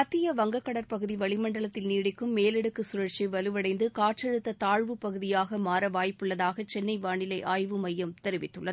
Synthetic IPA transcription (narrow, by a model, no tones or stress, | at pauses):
ɐt̪ːɪjɐʋɐŋɡɐkːɐɽɐɾpɐɣɯðiʋɐɭɪmɐɳɖɐɭɐt̪ːɪlniːɽɪkːɯmːeːlɛɽɯkːɯsʊɾɐʈt͡ʃiʋɐlɯʋɐɽɐɪnd̪ɯkaːʈt͡ʃɐɻɯt̪ːɐt̪aːɻʋɯpɐɣɯðɪjaːɣɐmaːɾɐʋaːjpːɯɭːɐðaːɣɐt͡ʃɛnːɐɪʋaːɳɪlɐɪʔaːjʋɯmɐjːɐmt̪ɛɾɪʋɪt̪ːɯɭːɐðɯɯ